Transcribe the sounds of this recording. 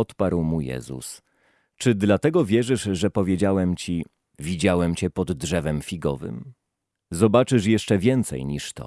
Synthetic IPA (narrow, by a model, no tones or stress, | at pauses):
ɔt̪paɾwmujɛ̰zṵs | t͡ʂɘd̪lat̪ɛɡɔvʲjɛʐɘʂʐɛpɔvʲjed͡ʑawɛmt͡ɕi | vʲid͡ʑawɛmt͡ɕɛpɔd̪ːʐɛvɛmfʲiɡɔ̰vɘ̰m | zɔbat͡ʂɘʂjɛʂt͡ʂɛvʲjɛnt̪sɛ̰jɲiʂt̪ɔ̰